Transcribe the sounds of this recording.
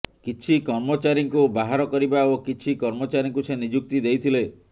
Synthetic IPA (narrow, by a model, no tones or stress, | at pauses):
kit͡ʃʰikɔɾmɔt͡ʃaɾiŋkubaɦaɾɔkɔɾibaokit͡ʃʰikɔɾmɔt͡ʃaɾiŋkusenid͡ʒuk̚t̪id̪ejt̪ʰile